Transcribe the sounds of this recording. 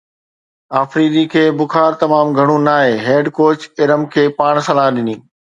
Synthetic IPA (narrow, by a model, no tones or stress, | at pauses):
aːfɾiːd̪ikʰeːbʊxaːɾt̪ɐmaːmɡʱɐɽ̃ũnaːɦeːɦeːɖkoːt͡ɕɪɾəmkʰeːpaːɽ̃sɐlaːɦɗɪniː